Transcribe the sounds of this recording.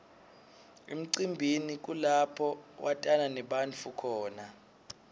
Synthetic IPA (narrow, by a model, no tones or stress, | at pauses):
ḛm̩ǀimbʱinik̬ulapʰɔwʔatʼananɛɓant͡fʰukʰɔːna